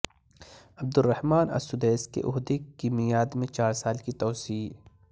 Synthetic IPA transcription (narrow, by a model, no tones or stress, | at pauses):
ɐb̚d̪ʊrːɐhmaːnɐ̰sʊd̪eːskḛʔʊɦd̪ekimɪjaːd̪mẽt͡ʃaːɾsaːlkit̪ɔːsiː